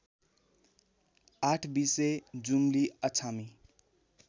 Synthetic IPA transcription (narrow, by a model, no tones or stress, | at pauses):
aʈʰbised͡zumliʌt͡sʰami